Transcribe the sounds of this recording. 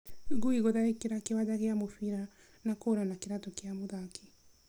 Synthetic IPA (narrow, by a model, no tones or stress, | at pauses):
ɡuiɣoðaɾekeɾakewad͡ʒaɣeamofiɾa | nakoɾanakeɾatɔkeamoðaki